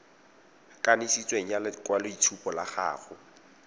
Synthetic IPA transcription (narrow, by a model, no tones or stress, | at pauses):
kʼanisit͡sʼweŋ̩jalkʼwaloitʰupʼɔlaχa̰ːχʊ